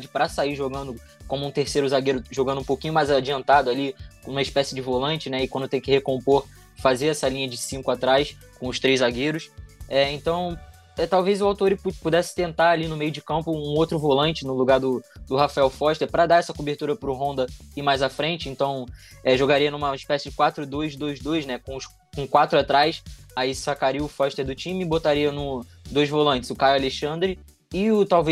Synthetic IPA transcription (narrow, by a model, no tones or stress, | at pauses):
d͡ʒɪpɾɐsaiɾʒoɡɐ̃nd̪ʊ | kõmʊũt̪eɾsejɾʊzaɡeɾʊʒoɡɐ̃nd̪ũpowkĩɲʊmajzad͡ʒiɐ̃nt̪ad̪ʊalĩnumɐɪʃpɛsɪd͡ʒɪvolɐ̃nt͡ʃɪnɛɪkwɐ̃nd̪ʊt̪ẽj̃ʊkɪhekõmpoɾ | fazeɾɛsɐlʲĩɲɐd͡ʒɪsĩkʊat̪ɾajs | kõʊʃt̪ɾejzaɡeɾʊsɛẽnt̪ɐ̃w̃ | ɛt̪awvejzʊawt̪oɾɪpud̪ɛsɪ̥t̪ẽnt̪aɾalinʊmejʊd͡ʒɪkɐ̃mpʊũowt̪ɾʊvolɐ̃nt͡ʃɪnʊluɡaɾd̪ʊd̪ʊhafaɛwfɔʃt̪epɾɐd̪aɛsɐkobeɾt̪uɾɐpɾʊɦõnd̪ɐɪmajzafɾẽnt͡ʃɪẽnt̪ɐ̃w̃ɛʒoɡaɾiɐnũmɐiʃpɛsɪd͡ʒɪkwat̪ɾʊd̪ojzd̪ojzd̪ojznɛkõʊs | kõkwat̪ɾʊat̪ɾajsaisakaɾiʊfɔʃt̪eɾd̪ʊt͡ʃĩmɪbot̪aɾiɐnʊ | d̪ojzvolɐ̃nt͡ʃɪ̥zʊkajaleʃɐ̃nd̪ɾɪ | ɪʊt̪awve